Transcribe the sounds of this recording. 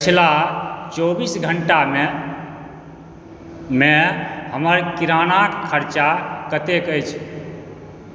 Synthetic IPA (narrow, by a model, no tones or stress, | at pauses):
pət͡ʃʰlat͡ʃobisɡʱəɳʈa | mehəməɾkiɾanakʰːəɾt͡ʃakət̪ekəjt͡ʃʰ